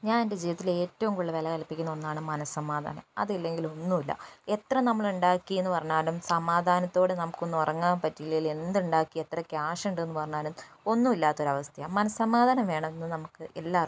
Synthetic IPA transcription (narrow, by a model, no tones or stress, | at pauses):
ɲaːnended͡ʑiːʋɐt̪ːile̞ːtːɐʋumkoɭːɐʋelɐkɐlipːikʲːunːɐo̞nːaːɳɨmɐnɐssɐmaːd̪ʱa̰ːnɐ̰mɐ̰ðɐlːe̞ŋɡilo̞nːumilːɐ̰e̞t̪rɐnɐmːɐɭuɳɖaːkːijenːɨpɐrɐɲːaːnumsɐmaːd̪ʱaːnɐt̪ːoːɽenɐmukːo̞nːuorɐŋːaːnpɐtːilːeile̞nd̪uɳɖaːkːie̞t̪rɐkaːʂɐɳɖenːɨpɐrɐɲːaːɾum | o̞nːumilːaːt̪ːo̞ɾɐʋɐst̪ʰɐjɐmɐnɐssɐmaːd̪ʱaːnɐmʋe̞ːɳɐmenːɨnɐmukːɨʔe̞lːaːr